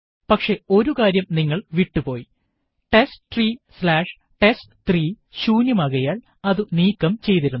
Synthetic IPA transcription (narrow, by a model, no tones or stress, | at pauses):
pɐkʂe̞o̞ɾukaːɾjɐmniŋːɐɭʋiʈːupo̞ːji | ʈe̞sʈt̪riːslaːʂ | ʈe̞sʈt̪riː | ɕuːnjɐmɐɣɐjaːɭ | ɐðɨniːkːɐmt͡ɕe̞jt̪iɾunː